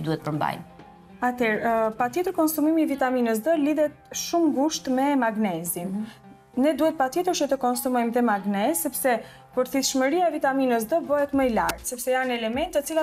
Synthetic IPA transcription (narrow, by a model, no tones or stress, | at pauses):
d̪uɛt̪̚pəɾmba̰jm | at̪ɛɾpat̪jɛt̪əɾkɔnsumimiːvit̪aminəs̬d̪əliðɛt̪̚ʃumɡuʃt̪mɛmaɡnɛzin | nɛd̪uhɛt̪̚pat̪jɛt̪əɾt͡ʃət̪əkɔnsumɔjmðɛmaɡnɛsːɛpsɛ | pɔɾθiθʃməɾiaɛvit̪aminəs̬d̪əbɔɦɛt̪məjla̰ɾd̪sɛpsɛjanɛlɛmɛnt̪ːət͡sila